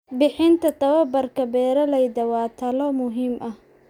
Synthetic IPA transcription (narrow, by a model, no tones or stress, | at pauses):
bɪħɪnt̪ʰɐt̪ʰɐwɐbɐrkʰɐbɛːɾɐlɛjdɐwɑːt̪ʰɐlɔmʊɦiːmʔɐh